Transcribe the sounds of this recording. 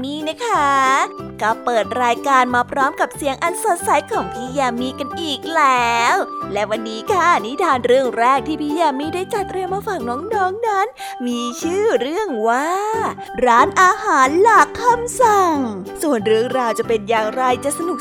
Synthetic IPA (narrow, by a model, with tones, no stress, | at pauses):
miː˧na˦˥kʰa˦˥kɔː˥˩pɤː˨˩t̪̚ɾaː˧jkaː˧nmaː˧pʰɾɔː˦˥mka˨˩p̚si˨˩˦əŋʔa˧nso˨˩t̪̚sa˩˦jkʰɔː˩˦ŋpʰiː˥˩ja˧˩miː˧ka˧nʔiː˨˩k̚lɛː˦wlɛ˦˥wa˧nːiː˦˥kʰa˥˩ni˦˥t̪ʰaː˧nɾɯ˥˩əŋɾɛː˥˩k̚t̪ʰiː˥˩pʰiː˧˥ja˧˩miː˧˥˩daː˥˩jt͡ɕa˨˩t̪ːɾi˧əmːaː˧fa˨˩ŋ̚nɔː˦˥ŋnɔː˦˥ŋna˦˥n | miː˧t͡ɕʰɯː˥˩ɾɯ˥˩əŋwaː˥˩ | ɾaː˦˥nʔaː˧haː˩˦nla˨˩kʰːa˧msa˨˩ŋ | su˨˩ənɾɯ˥˩əŋɾaː˧wt͡ɕa˨˩pe˧njaː˨˩ŋɾa˧jt͡ɕa˨˩ʔsa˧nu˨˩k̚